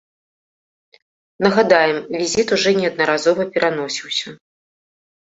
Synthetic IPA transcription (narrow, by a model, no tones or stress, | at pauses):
nɐɣad̪ajɛmvʲizʲit̪uʐɔnʲɛɐd̪̚nɐɾazɔvɐpʲɛɾʔanɔsʲiwsʲɐ